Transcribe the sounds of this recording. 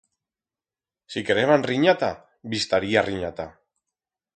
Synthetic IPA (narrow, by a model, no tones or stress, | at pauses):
sikeɾeβanriɲat̪a | bist̪aɾiariɲat̪a